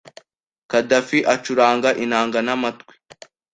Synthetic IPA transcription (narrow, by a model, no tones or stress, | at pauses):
kadafiʔat͡ʃuɾaːŋɡaʔinaːŋɡanamatkwi̥